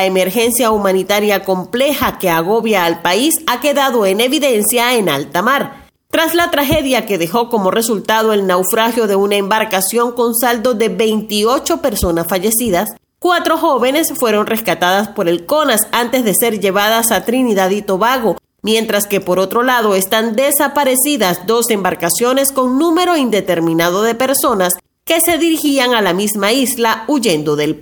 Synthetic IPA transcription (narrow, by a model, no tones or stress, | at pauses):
eme̞ɾxe̞nsjaumãnit̪aɾjako̞mple̞xake̞aɣo̞βjaːlpaisake̞ðaðo̞ene̞βiðe̞nsjaenalt̪amaɾ | t̪ɾaslat̪ɾaxe̞ðjake̞ðe̞xo̞ko̞mo̞re̞sult̪að̞o̞e̞lnawfɾaxjo̞ðe̞unaembaɾkasjo̞ŋko̞nsald̪o̞ðe̞βe̞jnt̪io̞t͡ʃo̞pe̞ɾso̞nasfaʝe̞siðas | kwat̪ɾo̞xo̞βe̞ne̞sfwe̞ɾonre̞skat̪aðaspo̞ɾe̞lko̞nasant̪e̞zðe̞se̞ɾʝe̞βaðasat̪ɾiniðaðit̪o̞βaɣo̞ | mje̞nt̪ɾaske̞po̞ɾo̞t̪ɾo̞laðo̞est̪and̪e̞sapaɾe̞siðasd̪o̞se̞mbaɾkasjo̞ne̞sko̞ŋnũme̞ɾo̞ind̪et̪e̞ɾmĩnaðo̞ðe̞pe̞ɾso̞nas | ke̞se̞ðiɾixiaŋalamizmaizlauʝe̞nd̪o̞ðe̞l